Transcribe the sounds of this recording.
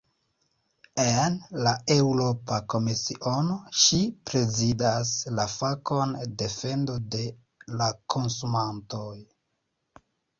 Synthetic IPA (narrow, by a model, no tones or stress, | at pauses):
enlae̞wɾo̞pako̞misiʔono̞ʃipɾe̞zidaslafako̞nde̞fe̞ndode̞ | lakʰo̞nsumanto̞j